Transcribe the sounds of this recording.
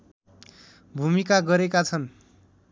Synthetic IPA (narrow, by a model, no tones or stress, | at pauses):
bʱumikaɡʌɾekat͡sʰʌn